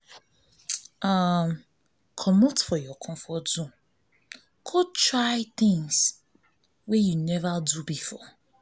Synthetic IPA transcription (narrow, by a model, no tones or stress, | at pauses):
am | kʰɔmotfɔjɔkʰɔ̃mfɔtdũ | kʰotɹaɪt̪ɪ̃ŋs | wɛjunɛvadubifɔ